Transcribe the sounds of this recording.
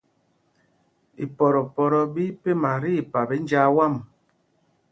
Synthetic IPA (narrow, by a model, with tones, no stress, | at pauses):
i˨pɔ˨ɾɔ˨pɔ˨ɾɔ˨bi˦pe˦ma˨ɾi˦˨pa˨bɛ˦n˦d͡ʒa˦wa˦˨m